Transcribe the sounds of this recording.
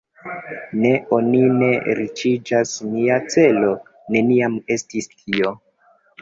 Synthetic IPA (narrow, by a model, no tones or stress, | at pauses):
ne̞o̞nine̞ɾit͡ʃid͡ʒasniat͡se̞lo̞ | ne̞niame̞stistʰio̞